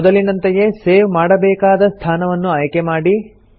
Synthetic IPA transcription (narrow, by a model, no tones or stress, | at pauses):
ɔd̪ɐlinɐnt̪eje̞seːʋmaːɽɐbɛːkaːd̪ɐst̪ʰaːnɐʋɐnːuɐjkemaːɽi